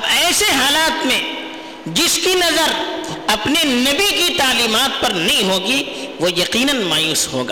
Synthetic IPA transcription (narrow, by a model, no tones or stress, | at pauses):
ɐbɛːseɦaːlaːt̪mẽ | d͡ʒɪskinɐzəɾɐpnenɐbikit̪aːliːmaːt̪̚pɐɾnɐɦĩɦoːɡi | ʋojɐqiːnənmaːjuːsɦo̰ːɡaː